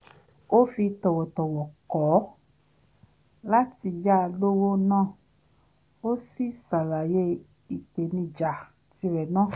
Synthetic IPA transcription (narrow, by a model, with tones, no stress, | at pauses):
o˦fi˧tɔ˨wɔ˨tɔ˨wɔ˨kɔ˨˦ | la˦ti˧ja˦˧lo˦wo˦nãː˦˨ | o˦si˦sa˨la˨je˦ | i˨k͡pe˨nĩ˧d͡ʒa˨ | ti˧ɾɛ˨nã˦˨